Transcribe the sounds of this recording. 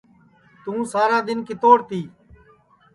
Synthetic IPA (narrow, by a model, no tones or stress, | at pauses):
t̪ũːsaːɾaːd̪ɪnkiːt̪oːɽt̪iː